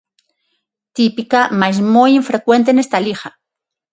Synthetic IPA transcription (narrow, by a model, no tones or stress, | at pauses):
t̪ipikamajzmojiɱfɾekwe̞nt̪̬enest̪alixa